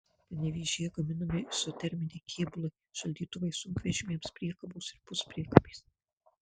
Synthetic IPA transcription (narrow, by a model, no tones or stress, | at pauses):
pɐnʲɛʋʲiːʒʲijɛɡɐmʲɪnɐmʲɪsot̪ʲɛɾʲmʲɪnʲɛɪkʲʰiːbʊlˠɐɪʃɐlʲd̪ʲiːt̪ʊʋɐɪsʊŋʲkʋʲɛʒʲɪmʲiɛmspʲɾʲiɛkɐbuːsɪɾpʊspʲɾʲiɛkɐpʲiːs